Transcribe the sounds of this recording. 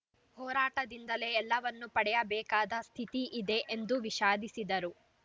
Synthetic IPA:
hɔːɾaːʈɐd̪ind̪ɐle̞ːlːɐʋɐnːupɐɽɛjɐbɛːkaːd̪ɐst̪ʰit̪iʔid̪e̞ʔend̪uʋiʃaːd̪isid̪ɐɾu

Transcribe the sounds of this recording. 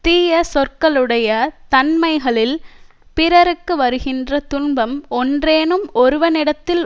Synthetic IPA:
t̪iːjɐsɔrkɐɭɯɽɐjɐt̪ɐnmɐɪɣɐɭɪl | pɪɾɐɾɯkːɯʋɐɾɯɣɪndrɐt̪ʊnbɐmɔndreːnɯmɔɾɯʋɐnɪɽɐt̪ːɪl

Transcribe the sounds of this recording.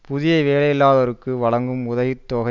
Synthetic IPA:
pʊðɪjɐɪʋeːlɐjɪlːaːðɐɾɯkːɯʋɐɭɐŋɡɯmʊðɐɣɪt̪ːoːɣɐ

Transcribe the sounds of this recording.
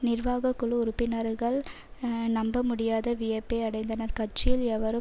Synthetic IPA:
nɪɾʋaːɣɐkːʊɭɯʊɾʊpːɪnɐɾɣɐɭ | nɐmbɐmʊɽɪjaːðɐʋijɐpːeːɐɽɐɪnd̪ɐnɐɾkɐʈ̚t͡ʃɪjɪlɛʋɐɾɯ

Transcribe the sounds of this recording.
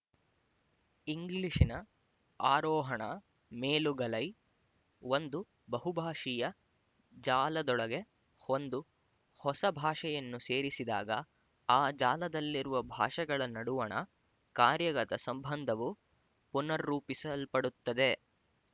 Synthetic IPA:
iŋɡliʂinɐ | aːɾɔːɦɐɳɐ | meːluɡɐlɐj | ʋond̪u | bɐɦubʱaːʂijɐ | d͡ʒaːlɐd̪ɔɭɐɡe̞ | ond̪u | hɔsɐbʱaːʂɛjɐnːuse̞ːɾisid̪a̰ːɡɐ | aːd͡ʒaːlɐd̪ɐlːiɾuʋɐbʱa̰ːʂɛɡɐɭɐnɐɽuʋɐɳɐ̰ | kaːɾjɐɡɐt̪ɐsɐmbʱɐnd̪ʱɐʋu | punɐɾːuːpisɐlpɐɽut̪ːɐd̪e

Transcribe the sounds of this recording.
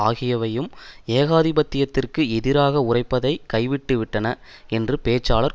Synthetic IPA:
aːɣɪjɐʋɐjɯmeːɣaːðɪbɐt̪ːɪjɐt̪ːɪrkɯɛðɪɾaːɣɐʊrɐɪpːɐðɐɪkɐɪʋɪʈːɯʋɪʈːɐnɐ | ɛndrɯpeːt͡ʃːaːlɐɾ

